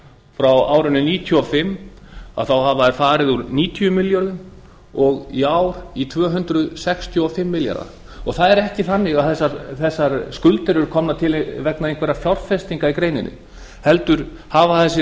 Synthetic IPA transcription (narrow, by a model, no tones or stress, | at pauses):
fɾawaːwɾʏnʏniːt̪ʰjɔɔfɪmːa̰ðθawhavaɛɾ̥faːɾɪðuɾniːt̪ʰjʏmɪljɔɾðʏm | ɔɣiaːwɾ̥it̪ʰvœːɦʏnt̪ɾʏðsɛxst̪ʰjʏɔfɪmːɪlja̰ɾa̰ | ɔɣθaðɛɾɛhcɪθanːɪɣaðθɛsːaɾθɛsːaɾskʏlt̪ɛɾʏɾ̥kʰɔmnat̪ʰɪlvɛknaðejnkvɛɾafjawr̥fɛst̪iŋkaikɾeːjnɪ̰nːɪ̰ | hɛlt̪ʏɾ̥ | haːvaθɛsːɪ